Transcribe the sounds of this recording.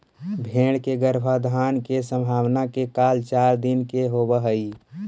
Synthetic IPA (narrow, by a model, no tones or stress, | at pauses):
bʱẽːɽ̃keɡəɾbʱad̪ʱaːnkesə̃mbʱaːwnakekaːlt͡ʃaːɾd̪ɪnkeɦobəɦəi